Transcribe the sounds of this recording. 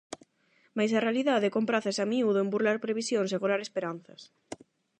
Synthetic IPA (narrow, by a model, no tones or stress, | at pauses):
majs̬ɐrealiðaðekompɾaθasamiuðoembuɾlaɾpɾeβ̞isjõns̬eɣolaɾespeɾanθɐs